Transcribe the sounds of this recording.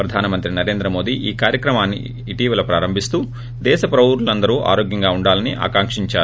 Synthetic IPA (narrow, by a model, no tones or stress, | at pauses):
pɾɐd̪ʱaːnɐmɐnt̪ɾinɐɾe̞ːnd̪ɾɐmo̞ːd̪iʔiːkaːɾjɐkɾɐmaːnːḭː | ʈiːʋɐlɐpɾaːɾɐmbʱist̪uː | d̪ɛːʃɐpɾɐuːɾulɐnd̪ɐɾuːʔa̰ːɾo̞ːɡjɐŋɡaːuɳɖaːlɐniʔa̰ːkaːŋkʂiɲt͡ʃaːɾu